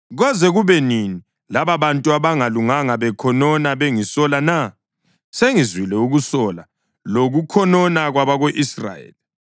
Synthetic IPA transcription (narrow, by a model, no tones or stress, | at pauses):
ɣɔzɛɣuβɛnini | laβaβantʼuaβaŋaluŋaŋaβɛkʰɔnɔnaβeŋisɔlana | seŋizwilɛuɣusɔla | loɣukʰɔnɔnaɣwaβaɣoʔisra̰jḛːli